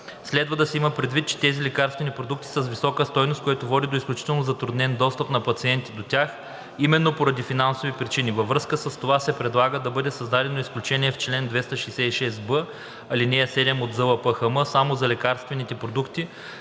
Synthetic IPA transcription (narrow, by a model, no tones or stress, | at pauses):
slɛd̪vəd̪ɐsɛiməpɾɛd̪vit̪̚t͡ʃɛ̥t̪ɛzilɛkaɾst̪vɛnʲipɾod̪uk̚t̪i̥səsvisɔkəst̪ɔjnost̪kojɛt̪ovɔd̪ʲid̪oisklʲut͡ʃi̥t̪ɛlˠnozɐt̪ɾud̪nɛnd̪ɔst̪əpnɐpɐt̪siɛnt̪id̪ot̪ʲax | imɛnːopoɾɐd̪ifinansovipɾit͡ʃinivɐvɾɤskəsəst̪ovasɛpɾɛd̪lˠaɡəd̪ɐbɤd̪ɛsɐzd̪ad̪ɛnoisklʲut͡ʃɛniɛft͡ʃlɛnd̪vɛst̪əʃɛjsɛiʃɛsbɤ | ɐlinɛɐsɛd̪ɛmod̪zɤlˠəpəxəmɤsamozɐlʲɛkaɾst̪vɛnit̪ɛpɾod̪ukt̪i